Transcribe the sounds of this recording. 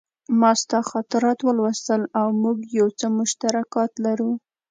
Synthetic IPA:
mɑst̪axɑt̪ɪɾɑt̪wəlwəst̪əlawmuɡjawt͡səmʊʃt̪aɾakɑt̪laɾu

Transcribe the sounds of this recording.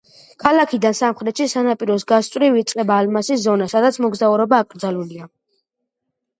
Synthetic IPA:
kʰalakʰid̪ansamχɾɛt̪ʃisanapʼiɾɔsɡast̪ʼwɾiviːt̪sʼqʼɛbaːlmasiszɔnasad̪at̪sʰmɔɡzauɾɔbaːkʼɾd̪zalulia

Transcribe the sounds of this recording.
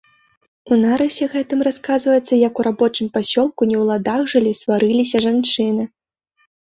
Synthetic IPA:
unaɾɐsʲɛɣɛt̪ɨmraskazvɐjɛt̪sːɐjɐkuɾabɔt͡ʂɨmpasʲɔlˠkunʲɛwlˠad̪aɣʐɨlʲisvaɾɨlʲisʲɐʐant͡ʂɨnɨ

